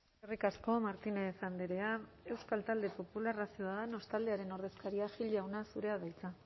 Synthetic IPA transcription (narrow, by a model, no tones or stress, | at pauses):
erikasko̞maɾt̪inefand̪e̞ɾe̞a | e̞wskalt̪ald̪e̞po̞pularasioaðano̞st̪ald̪e̞aɾe̞no̞ɾðe̞skaɾiaʝilawnasuɾe̞aβajt͡sa